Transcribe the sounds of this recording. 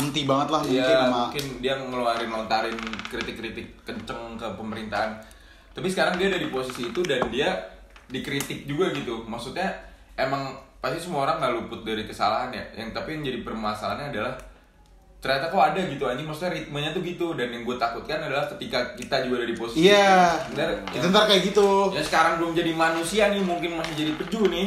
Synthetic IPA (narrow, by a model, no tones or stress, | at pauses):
ənt̪ibaŋət̪lahijuŋaɪnakɪndiaməluaɾɪnlɔnt̪aɾɪnkɾit̪ɪkːɾit̪ɪkːəɲt͡ʃəŋkəpəməɾint̪aɦan | t̪apisəkaɾaŋdiaːdadiposisiːt̪udandia | dikɾit̪ɪk̚d͡ʒuɡaɡit̪umaksut̪̚ɲa | emaŋpast̪isəmuaoɾaŋːalupʊt̪̚daɾikəsalaɦanja̰ja̰ŋt̪apijaŋd͡ʒadipərmasalaɲaːdalah | t̪ərɲat̪akawadaɡit̪uaɲd͡ʒimaksut̪̚ɲaɾit̪̚maɲat̪uɡit̪udanjaŋɡuat̪akʊt̪̚kanadalahkət̪ikakit̪ad͡ʒuɡadadiposiaənt̪aɾit̪aənt̪aɾkajaɡit̪ujasə̥kaɾaŋɡuaməɲd͡ʒadimanusianɪmuŋkɪnmasɪd͡ʒadipəd͡ʒunɪ